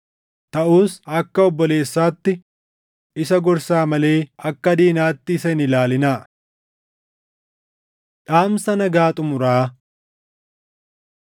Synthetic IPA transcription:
t̪ɐʔuːsɐkːɐɔbːɔle̞ːsːaːt̪ːɪ | ɪsɐɡɔɾsaːmɐle̞ːɐkːɐd̪iːnaːt̪ːɪːsɐɪnɪlaːlɪnaː | ᶑaːmsɐnɐɡaːt̪ʼʊmʊɾaː

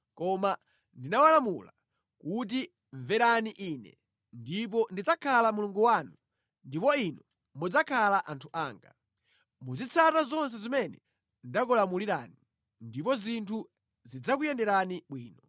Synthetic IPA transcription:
kɔma | ndinawalamula̰ | kut̬i | ɱvɛɾaniʔiːnɛ̰ | ndip̬ɔndid͡zakʰalamuluŋɡuwanu | ndipɔinɔ | mɔd͡zakʰalaʔantʰuʔaːŋɡa̰ | muzit͡sʰatazɔns̬ɛzimɛnɛ | ndakɔlamuliɾa̰ːni | ndipɔzintʰu | zid͡zak̬ujɛndɛɾaniɓwiːnɔ

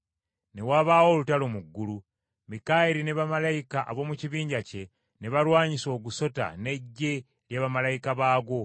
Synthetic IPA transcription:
ne̞waːβaːwo̞ːlutalo̞muɡːulu | mikaːjeɾineβamalajikaʔa̰βo̞ːmuciβiːɲɟace̞ | neβaɾwaːɲiso̞ːɡuso̞ta̰ne̞ɟːe̞ | ljaːβamalajikaβaːɡo̞

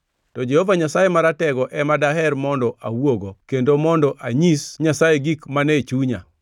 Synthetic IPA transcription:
tɔd͡ʒɛhɔvaɲasajemaɾatɛɡɔʔɛmadaɦɛrmɔndɔʔawoɡokendomɔndɔʔaɲisɲasajeɡikmanɛt͡ʃuɲa

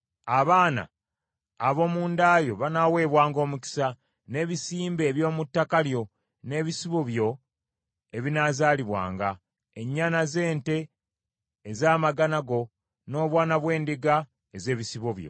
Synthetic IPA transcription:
aβaːna̰ː | βo̞ːmuːndaːjo̞βanawe̞ːβwaːŋɡo̞ːmuci̥sa | ne̞ːβisiːmbe̞ːβjo̞ːmutːakaljo̞ | ne̞ːβisiβoβjo̞ | eβinaːzaːliβwa̰ːŋɡa | e̞ɲːaːnaze̞ːnte̞ː | zaːmaɡanaɡo̞ | no̞ːβwaːnaβwe̞ːndiɡa | eze̞ːβisiβoβjo̰

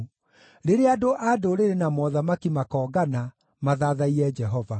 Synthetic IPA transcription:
ɾeɾeadoʔadoɾeɾenamɔðamakimakɔːɡana | maðaðaiɾɛd͡ʒɛɦɔva

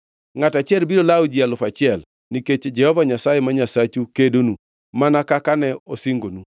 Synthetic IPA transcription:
ŋatat͡ʃjɛlbiɾolawd͡ʒialʊfat͡ʃɪɛl | niket͡ʃed͡ʒɛhɔvaɲasajemaɲasat͡ʃukedonu | manakakanɛosiŋɡonu

